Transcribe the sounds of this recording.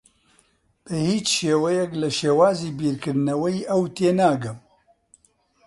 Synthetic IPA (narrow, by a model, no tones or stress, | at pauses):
b̥ɨhiːt͡ʃʃeːwɛjɛklɐʃeːwaːziːbiːɾkɨɾd̪nɐwɐiʔɐwt̪eːnaːɡɨm